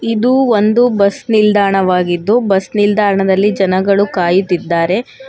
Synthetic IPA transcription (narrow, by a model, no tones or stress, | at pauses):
id̪uond̪ubɐsnild̪ʱaːɳɐʋaːɡid̪ːubɐsnild̪ʱaːɾɐɳɐd̪ɐlːid͡ʒɐnɐɡɐɭukaːjut̪ːid̪ːaːɾe̞